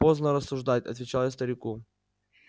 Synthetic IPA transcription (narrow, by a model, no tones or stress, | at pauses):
poznəɾəsːʊʐd̪atʲɐ̰t̪vʲɪt͡ɕalˠjast̪əɾʲɪku